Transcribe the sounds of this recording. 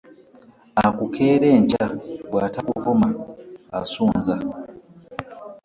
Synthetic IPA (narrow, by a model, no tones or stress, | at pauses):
akukʰe̞ːɾe̞ːɲcawaːtakuvumaː | suːnza